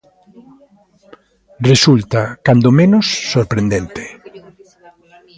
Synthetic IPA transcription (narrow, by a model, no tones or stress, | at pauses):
result̪akand̪omenʊsːoɾpɾẽnd̪ent̪e̥